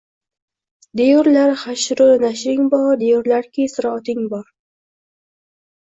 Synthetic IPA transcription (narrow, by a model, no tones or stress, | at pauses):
d̪eɾlaɾχaʃɾʊnaʃɾɪŋbɑd̪eɾlaɾkisɾɑːt̪ɪŋbɑɾ